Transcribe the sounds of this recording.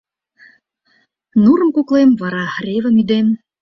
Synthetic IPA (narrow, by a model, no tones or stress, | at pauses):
nuɾə̆mkuklemβɑɾɑrʲevəmyd̪em